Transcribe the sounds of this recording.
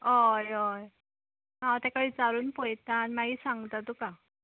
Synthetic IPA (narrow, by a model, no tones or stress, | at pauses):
ɦɔjɔj | ɦãt̪ɛ̃kaʋit͡saɾuːnpojt̪animaɦiːsãŋɡt̪at̪uka